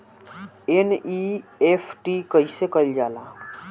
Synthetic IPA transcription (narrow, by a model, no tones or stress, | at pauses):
eniefʰʈikəisekəld͡ʒaːlaː